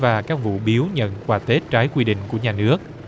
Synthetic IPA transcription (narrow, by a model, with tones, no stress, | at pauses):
vaː˨˩kaː˦˥k̚vṵ˧˨ɓi˨˦əwɲə̰˧˨nkwaː˧˩t̪e˦˥t̚t͡ɕaː˨˦jkwi˧ɗḭ̈˧˨ŋ̟ku˧˩əɲaː˨˩nɨ˦˥ək̚